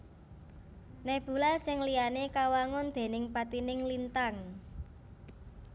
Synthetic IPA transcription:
nɛb̥ṳlasɪŋlijanekawaŋʊnd̪̥e̤nɪŋpat̪inɪŋlint̪aŋ

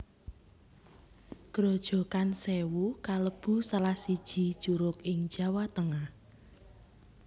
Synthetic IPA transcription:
ɡ̥ɾɔd̥ʒ̥ɔ̤kansewukaləb̥ṳsalahsid̥ʒ̥i̤d̥ʒ̥uɾʊkɪŋ̥ʒ̥a̤wat̪əŋah

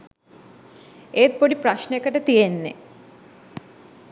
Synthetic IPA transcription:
et̪̚poɽipɾaʃnekːɐʈet̪ijenːḛ

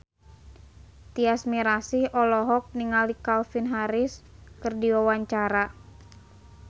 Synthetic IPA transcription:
t̪iasmiɾasihɔlɔɦɔk̚niŋalikalfinɦaɾɪskɨrdiwawaɲt͡ʃaɾa

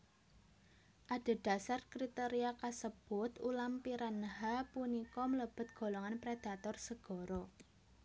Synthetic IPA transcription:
ʔad̥e̤d̪̥a̤sarkɾit̪eɾiakasəb̥ʊt̪ulampiɾanɦapunikɔmələb̥ʊ̤t̪̚ɡ̥ɔ̤lɔŋanpɾed̪̥a̤t̪ɔrsəɡ̥ɔ̤ɾɔ

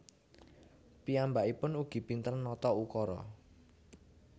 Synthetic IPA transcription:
piambaʔipʊnuɡ̥i̤pint̪ənːɔt̪ɔukɔɾɔ̰

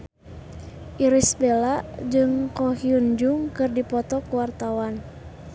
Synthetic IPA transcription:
ʔiɾisbelad͡ʒɨŋkɔhiund͡ʒuŋkɨrdipɔt̪ɔkuwart̪awan

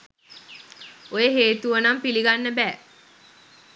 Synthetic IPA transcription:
ojeɦeːt̪uʋənampiliɡanːəbɛː

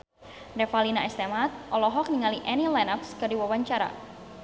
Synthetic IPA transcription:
rɛfalinaɛst̪ɛmat̪̚ʔɔlɔɦɔk̚niŋaliʔɛnilanapskɨrdiwawaɲt͡ʃaɾa̰

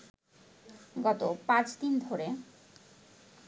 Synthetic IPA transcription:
ɡɔt̪opãt͡ɕd̪ind̪ʱoɾe

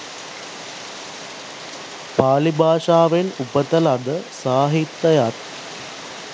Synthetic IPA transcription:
paːlibʱaːʂaːʋenupət̪ɐlad̪əsaːɦit̪ːɐjat̪

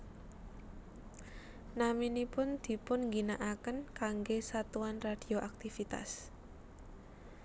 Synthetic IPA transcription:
naminipʊnd̪̥i̤pʊnŋɡinaʔakənkaŋɡesat̪uanrad̥i̤oʔak̚t̪ifit̪a̰s

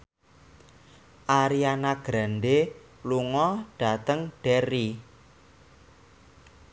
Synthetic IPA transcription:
ʔaɾianaɡ̥ɾanɖe | luŋɔɖ̥a̤t̪əŋɖ̥ɛɾi

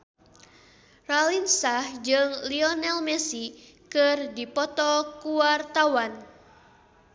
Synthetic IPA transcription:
ralinsahd͡ʒɨŋliɔnɛlmɛsi | kɨrdipɔt̪ɔkuwart̪awan

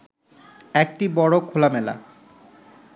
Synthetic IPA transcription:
ɛk̚ʈibɔɽokʰolamɛla̰

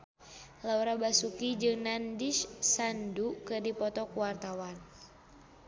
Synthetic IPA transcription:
lauɾabasukid͡ʒɨŋnandiʃsandukɨrdipɔt̪ɔkuwart̪awan

